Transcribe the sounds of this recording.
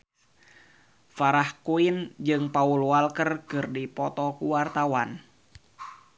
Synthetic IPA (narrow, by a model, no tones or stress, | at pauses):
faɾahkuind͡ʒɨŋpaulwalkərkɨrdipɔt̪ɔkuwart̪awan